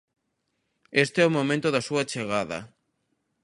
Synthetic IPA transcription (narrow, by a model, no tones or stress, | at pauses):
est̪eɛomomẽnt̪oðasuat͡ʃeɣaðɐ̰